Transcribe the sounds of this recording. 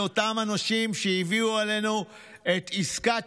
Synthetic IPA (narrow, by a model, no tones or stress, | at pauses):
o̞tamanaʃimʃeiviuale̞nu | e̞t̪iska